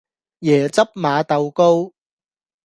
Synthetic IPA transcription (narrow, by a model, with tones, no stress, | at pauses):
jɛː˨˩t͡sɐ˥p̚maː˨˧t̪ɐ˨˧wko˥w